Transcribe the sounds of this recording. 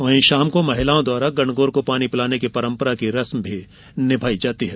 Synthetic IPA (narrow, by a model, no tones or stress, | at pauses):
ʋɐːɦĩʃaːmkomɐɦɪlaːõd̪waːɾaɡɐ̃ɳɡoːɾkopaːnipɪlaːnekepɐɾə̃mpəɾakiɾɐsmbʱi | nɪbʱaːid͡ʒaːt̪iɦɛː